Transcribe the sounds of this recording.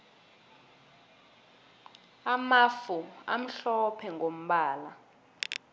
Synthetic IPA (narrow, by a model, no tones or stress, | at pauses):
amafua̰m̩ɬɔpʰɛŋʱom̩ɓaːla